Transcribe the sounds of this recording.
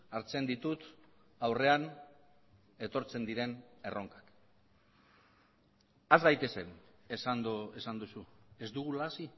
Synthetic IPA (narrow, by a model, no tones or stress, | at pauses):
aɾt͡se̞nd̪it̪ut̪awre̞an | e̞t̪o̞ɾt͡se̞nd̪iɾe̞ne̞rʔo̞ŋkḁk | azɣajt̪e̞se̞nesand̪oe̞sand̪usue̞zd̪uɣulasi